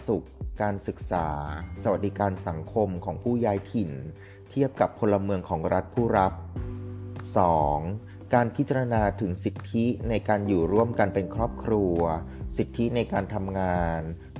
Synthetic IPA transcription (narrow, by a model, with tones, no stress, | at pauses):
su˨˩kːaː˧nsɯ˨˩k̚saː˩˦sa˧wa˨˩t̪̚diː˨˩˦kaː˧nsa˩˦ŋkʰo˧mkʰɔː˩˦ŋpʰuː˥˩jaː˦˥jt̪ʰi˨˩n | t̪ʰi˥˩əp̚ka˨˩pʰːo˧lːa˧mɯ˧əŋkʰɔː˩˦ŋɾa˦˥t̪̚pʰuː˥˩ɾa˦˥p̚ | sɔː˩˦ŋ | kaː˧npʰi˦˥t͡ɕa˧ɾa˧naː˧t̪ʰɯ˩˦ŋsi˨˩t̪ʰːi˦˥na˧jkaː˧njuː˨˩ɾu˥˩əmka˧npe˧nkʰɾɔː˥˩p̚kʰɾu˧ɐsi˨˩t̪ʰːi˦˥na˧jkaː˧nt̪ʰa˧mŋaː˧n